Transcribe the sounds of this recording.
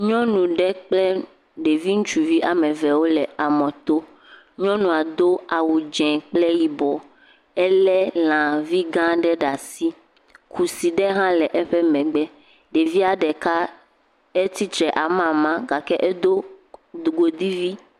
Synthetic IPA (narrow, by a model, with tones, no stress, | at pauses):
ɲɔ̃˦nũ˨ɖɛ˦k͡plɛ˦ | ɖe˨vi˦ŋũ˦t͡ʃu˨vi˦ʔa˨mɛ̃˨vɛ˨wo˦lɛ˨a˨mɔ̃˨t̪o˦ | ɲɔ̃˦nũ˨a˨d̪o˦a˨wu˨d͡ʒɛ̃˨k͡plɛ˦ji˨bɔ˨ | ɛ˦lɛ˦lã˨vi˦ɡã˦ɖɛ˦ɖa˨si˦ | kʰu˨si˨ɖɛ˦ɦã˦lɛ˨ʔɛ˦ɸɛ˦mɛ̃˨ɡ͡bɛ˦ | ɖe˨vi˦a˨ɖɛ˨ka˦ | ɛ˦t̪i˦t̪ɾɛ˨ʔa˨mã˨mã˦ɡa˨kɛ˦ʔɛ˦d̪o˦d̪u˨ɡo˨d̪i˦vi˦